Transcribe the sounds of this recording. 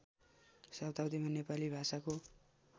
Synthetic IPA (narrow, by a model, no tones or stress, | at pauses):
sawt̪awd̪imanepalibʱasako